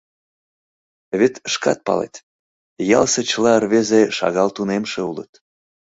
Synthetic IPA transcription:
βet̪əʃkɑ̰t̪̚pɑ̰lḛt̪ | jɑlsĕt͡ɕəlɑərβezeʃɑ̰ɣɑlt̪unemʃeulə̰t̪

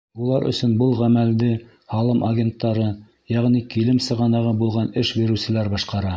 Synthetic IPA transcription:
ulˠɑɾɵ̰̆sɵ̆nbɤlˠʁæmæld̪ɘ | hɑlˠɤmʔɐɡʲent̪ːɑɾɤ | jæʁnikilɘmsɤ̆ʁɑnɑʁɤbulˠʁɑnɘʃbiɾɘ̆wsɘ̆læɾbɑʃqɑɾɑ

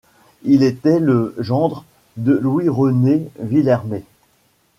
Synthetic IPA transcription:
ilet̪ɛləʒɑ̃d̪ʁ | d̪əlwiʁɔnevilɛʁme

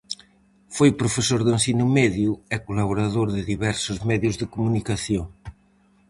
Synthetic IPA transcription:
fojpɾofesoɾðensinumɛðjuɛkulaβoɾaðoɾðɪðiβɛɾsʊzmɛðjuzðɪkumunikaθjoŋ

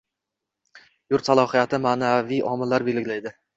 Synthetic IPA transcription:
jʊɾt̪salˠɒhijat̪ʰɪmaːnaviʔɒmɪlːaɾbelɪɡʲlajd̪ɪ

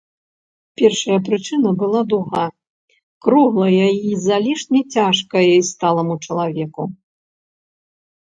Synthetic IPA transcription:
pʲɛrʂɐjɐpɾɨt͡ʂɨnɐbɨlˠad̪uɣa | kɾuɣlˠɐjɐjizalʲiʂnʲɛt͡sʲaʂkɐjɐjst̪alˠɐmut͡ʂɐlˠavʲɛku

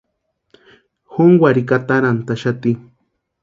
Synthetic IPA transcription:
xoŋwʷaɾikat̪aɾant̪aʃat̪i

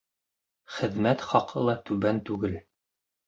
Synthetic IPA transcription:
χɘ̆ðmæt̪χɑqʰɤlˠɑt̪ʉβænt̪ʉɡɘl

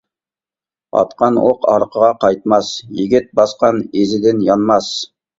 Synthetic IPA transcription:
ɑ̰t̪qɑnwoqɑ̰ɾqʰəʁɑqʰɑjt̪̚mɑsjɪɡʲɪt̪̚bɑsqɑnezɪd̪ɪnjɑnmɑs

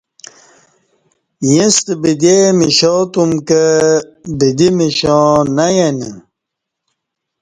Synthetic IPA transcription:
jĩst̪əbid̪emiɕot̪umkə | bid̪imiɕɔnajenə

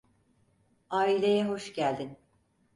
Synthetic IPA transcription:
aːilʲe̞jɛɦo̞ʃɟælʲd̪in

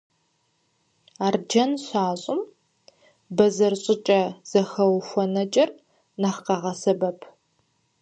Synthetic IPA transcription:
aːrd͡ʒɐnɕʷaːɕʼʊm | bɐzɐrɕʼɪt͡ʃʼɐz̥ɐxɐwxʷɔnɐt͡ʃʼɐr | nɐχqɐʁɐsɐbɐpʰ

